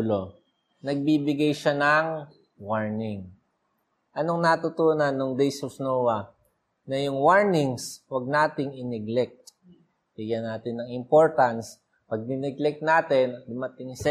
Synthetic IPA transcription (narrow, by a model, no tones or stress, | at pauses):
lo | nɐɡ̚bibɪɡajʃanɐŋ | waɹnɪŋ | ʔɐno̞ŋnɐt̪ʊt̪uːnɐnːʊŋd̪ɛjsofnowɐ | nɐjʊŋwaɹnɪŋswɐɡ̚naːt̪ɪŋɪnɛɡlɛk̚t̪ | b̥iɡanaːt̪ɪnɐŋɪmpo̞ɹt̪ɐns | pɐɡ̚nɪnɛɡlɛk̚t̪̚naːt̪ɛnd̪ʊmɐt̪ɪŋs